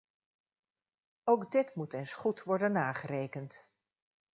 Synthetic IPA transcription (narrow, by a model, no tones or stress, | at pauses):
owɡdɪtmutɛjnsχutʋɔɹdənːaːχərejkənt